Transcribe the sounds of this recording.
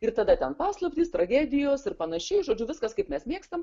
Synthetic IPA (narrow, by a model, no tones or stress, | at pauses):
ɪrt̪ɐd̪ɐt̪ʲɛnpɑːslˠɐpʲt̪ʲiːst̪ɾɐɡʲæːd̪ʲɪjoːsɪɾpɐnɐʃʲɛɪʒoːd͡ʒʲʊʋʲɪskɐskɐɪpmʲɛsmʲeːkst̪ɐm